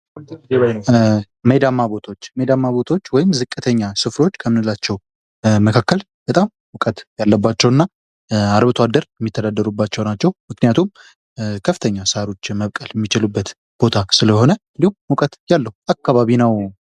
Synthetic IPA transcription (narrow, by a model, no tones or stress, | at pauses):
məjd̪amːabo̞t̪ʰaot͡ʃːmed̪amːaβo̞t̪ʰaot͡ʃːwɔjɪmzɨkʼːɨt̪ʰəɲːasɨfɾo̞t͡ʃːkʰəmɨnɨlːat͡ʃːɛw | məkʰakːəl | bət̪ʼam | wʊkʼət̪jalːəbːat͡ʃːɛwɨnːa | aɾβɨt̪ʰoad̪ːəɾjɛmːit̪ʰːəd̪ad̪ːəɾubːat͡ʃːɛwnat͡ʃːɛwmɨknijat̪ʰum | kʰəfɨ̥t̪ʰəɲːasaɾo̞t͡ʃːməβkʼəljɛmːit͡ʃɪlubːət̪ | b̥o̞t̪ʰasɨləho̞nəɨnd̪ihumwʊkʼət̪jalːəhuakːaβaβinəw